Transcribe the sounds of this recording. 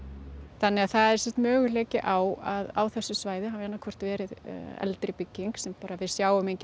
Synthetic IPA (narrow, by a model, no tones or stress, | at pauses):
θanːɛɣaðθaðɛɾ̥simt̪mœːɣʏlɛːcɪʔaːwaðaːwθɛsːʏsvaːjðɪɦavɛnːakʰvɔr̥t̪vɛːɾɪðɛ̰lt̪ɾɪpɪcːiŋksɛmpaːɾavɪðsjaːwʏmejɲcɪ